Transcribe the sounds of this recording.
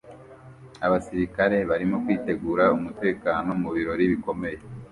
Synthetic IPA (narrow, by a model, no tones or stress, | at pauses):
aβasiɾikaɾe̞βaɾimo̞kwiːte̞ɡuːɾaumute̞ːkaːno̞muβiɾo̞ɾiβiko̞me̞je